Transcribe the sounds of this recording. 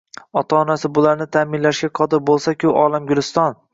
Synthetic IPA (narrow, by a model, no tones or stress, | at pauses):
ɒt̪ʰaːnasɪbʊlaɾnɪt̪ʰaːmɪnlaʃɡʲaqʰɒd̪ɪɾbolˠsakʲʰʊʔɒːlˠamɡʲʊlɪst̪ɒn